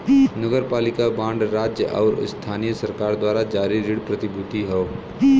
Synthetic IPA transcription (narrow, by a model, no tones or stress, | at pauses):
nəɡəɾpaːlɪkabãːɳɖɾaːd͡ʒjəʔɔ̰ːɾ̰st̪ʰaːnijəsɐɾkaːɾd̪waːɾad͡ʒaːɾiɾɪɽpɾɐt̪ɪbʱʊt̪iɦɛoː